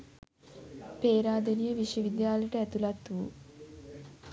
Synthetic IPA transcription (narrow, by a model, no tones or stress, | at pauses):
peːɾaːd̪ɐnijɐʋiʂjɐʋid̪jaːlɐjʈəɛt̪ulɐt̪ːuu